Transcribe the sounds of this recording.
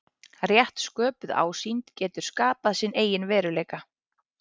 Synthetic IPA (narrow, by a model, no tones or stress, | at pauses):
rjɛht̪skœːpʏða̰ːwsint̪cɛːt̪ʏɾ̥skaːpaðsɪneːjɪnvɛːɾʏleːjka